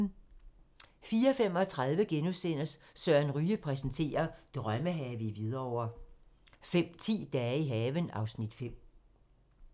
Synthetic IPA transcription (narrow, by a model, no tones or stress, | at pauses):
fiːɐɒfem̰ɒ̽t͡sʰʁað̞ˠʋəɡ̥enusen̰ɐssɶɐ̰nʁyːəpʰʁɛsn̩t͡sʰe̝̰ːɐd̥ʁɶməɦɛːʋiʋið̞ˠɐɒʊ̰ɐ | fem̰t͡sʰḭːd̥ɛːiɦɛːʋənɑ̈ʊsnid̥fem̰